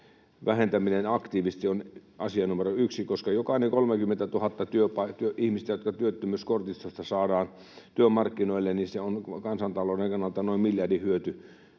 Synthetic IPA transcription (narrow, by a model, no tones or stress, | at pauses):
ʋʔæhent̪æminenɑkt̪iːʋist̪ionʔɑ̰siɑnumeroyksikoskɑjokɑˑineŋkolmekymːent̪æt̪uhɑt̪ːɑt̪yøpɑit̪yøʔihmist̪æjot̪kɑt̪yøt̪ːømyskort̪ist̪ost̪ɑsɑːdɑːn | t̪yømɑrkːinoilːenniseonkɑnsɑnt̪ɑloːdeŋkɑnːɑlt̪ɑnoimmiljɑrdihyøt̪y